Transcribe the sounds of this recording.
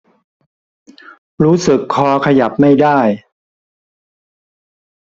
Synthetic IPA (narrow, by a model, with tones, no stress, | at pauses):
ɾuː˦˥sɯ˨˩kʰːɔː˧˦kʰa˧ja˨˩p̚ma˥˩jdaː˥˩j